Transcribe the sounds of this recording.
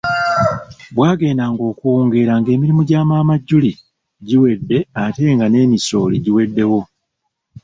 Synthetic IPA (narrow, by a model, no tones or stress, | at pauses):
bwaːɡe̞ːnaŋɡo̞ːkuoːŋɡe̞ɾaŋɡe̞ːmiɾimuɟaːmaːmaɟːuli | ɟiwe̞dːe̞ate̞ŋɡane̞ːmiso̞ːliɟiwe̞dːe̞wo̞